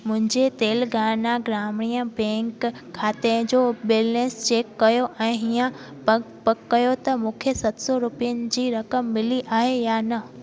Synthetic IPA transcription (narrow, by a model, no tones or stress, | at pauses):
mʊ̃ɦɪ̃ɲd͡ʑet̪eːlɡaːnaɡɾaːmɪɽ̃iːjəbɛ̃ːŋkʰː | aːt̪ẽd͡ʑoːbɪlneːst͡ɕeːkːɐjoʔɛ̃ːɦijə̃ | pɐkːɐjot̪ɐmũːkʰesɐt̪sɔɾʊpijənɪ̆d͡ʑiːɾɐkəmːɪliʔaːɦejaːnɐ